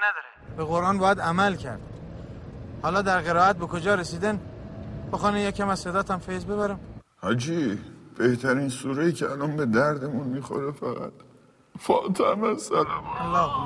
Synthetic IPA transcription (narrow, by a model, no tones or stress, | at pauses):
nd̪ɾeb̥eɣoɾʔɒːnbɒːjæd̪æmælcʰæ̰ɾd̪̥ | hɒːlɒːd̪æɾɣe̞ɾɒːæt̪̚be̞kʰod͡ʒɒːɾesiːd̪ænboxɒːnejecʰæmæzse̞d̪ɒːt̪ʰæmfezbeβæɾæmhæd͡ʒiːb̥eht̪ʰæɾinsuːɾeicʰeælɒːnbed̪æɾd̪emunmixo̰ɾefæɣæ̰t̪̚ | fɒ̰ːt̪ʰæmæsælæælɒː